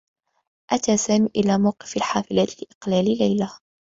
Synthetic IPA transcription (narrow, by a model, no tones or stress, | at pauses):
ʔat̪aːsaːmiːʔɪlaːmawqɪ̥falħaːfɪlaːt̪lɪʔɪ̥qlaːllajla